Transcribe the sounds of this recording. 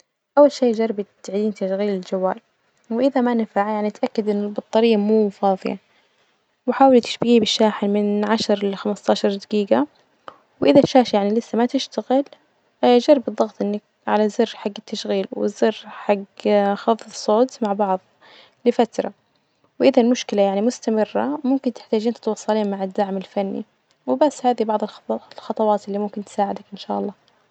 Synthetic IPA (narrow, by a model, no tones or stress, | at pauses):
ʔawːalʃeːd͡ʒɑrˤbɪt̪ʕd̪iːnt̪aʃɣiːlɪld͡ʒawːa̰ːl | wʔɪðamanɪfaʕjaʕnit̪ʔakːad̪ʔɪnːɪlbɨt̪ˤːɑɾɪjːamuːfɑːðˤɨ̰ja̰ | wɪħaːwɪlt̪ɪ̥ʃbɪɡibɪʃːaːħɪnmɪnʕaʃɾˤlxamɪst̪aːʃɑɾˤd̪aɡiːɡa | wʔɪðaʃaːʃjaʕnilɪsːamat̪ɪʃt̪aɣɪl | d͡ʒɑrˤbɨt̪ðˤːɑɣt̪ˤʔɪnːak̚ | ʕa̰lazɪrːħaɡːɪt̪ːaʃɣiːlwɪ̰zɪrːħaɡːxɑfðˤsˤoːt̪maʕbɑʕðˤ | lɪfat̪ɾˤɑ | wʔɪðalmʊʃkɪlajaʕnimʊst̪amɪrːa̰mʊmkɪnt̪ɪ̥ħt̪aːd͡ʒiːnt̪ɪt̪wɑsˤːɑliːnmaʕɪd̪ːaʕmɪlfanːḭ | wɪbasːhaːðibɑʕðˤɨlxlxɑt̪ˤɑwɑːt̪ʔɪlːimʊmkɪnt̪ɪ̥saːʕɪd̪akʔɪnʃaːʔɑlˤːɑː